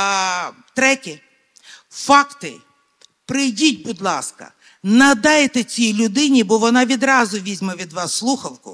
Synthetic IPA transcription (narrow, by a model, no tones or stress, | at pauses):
t̪ɾɛtʲi | fɑkt̪ɪ̰ | pɾɪjdʲit̚ʲbʊd̪lˠɑ̰skɐ̰ | nɐd̪ɑjt̪ɛt͡sʲijlʲʊd̪ɪnʲibɔʋɔnɑʋʲid̪ɾɑzʊʋʲizʲmɛʋʲid̪ʋɑsːlˠuxɐwkʊ̰